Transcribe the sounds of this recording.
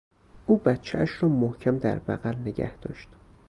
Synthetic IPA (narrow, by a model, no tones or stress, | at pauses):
ʔuːbæt̪t͡ʃʰeæʃɾɒːmohcʰæmd̪æ̰ɾbæ̰ɣælneɟæ̰hd̪ɒ̰ːʃt̪